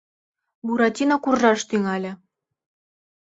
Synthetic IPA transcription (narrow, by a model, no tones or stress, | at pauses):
buɾɑtʲinɑkurʒɑʃt̪yŋælʲɘ̆